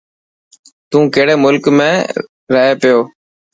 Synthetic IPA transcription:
t̪ũːkeːɽeːmʊlkmẽː | ɾəɦeːpɪjoː

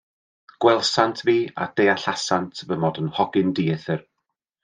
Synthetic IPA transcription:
ɡ̥wɛlˠsantʰviːa̰d̥ejaɬasantʰvəmɔdənhɔɡɪndiːθɪr

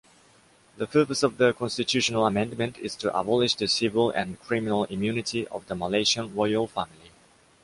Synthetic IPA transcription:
ðəpʰɜˑpəsɔvðəkʰɔ̃nstɪtʰʉʃənəlˠəmɛ̃ndmə̃ntʰɪ̰z̥tʰəʔə̰bɔlɪd͡ʒðəsɪvɪlæ̰̃nkʰɹ̥ɪmɪnəlˠɪ̃mjʉnɪtʰiʔə̰vðəməleɪʃə̃nɹɔɪəlˠfæmɪlˠi

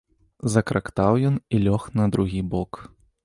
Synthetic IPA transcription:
zɐkɾʔakt̪awjɔnilʲɔxnɐd̪ɾuɣʲibɔk

